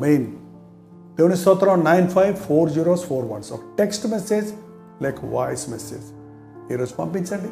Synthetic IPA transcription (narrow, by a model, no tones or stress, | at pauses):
men | t̪eʋnisɔt̪ɾãnnːãɪnfʰajʋfoːɾd͡ʒiɾosfoːɾʋɐ̰nsɔ̰ʈeksʈmesed͡ʒ | lajkʰʋa̰ɪsmɛsḛd͡ʒ | eɾospɐ̰̃mpĩnsɐ̃ɳɖi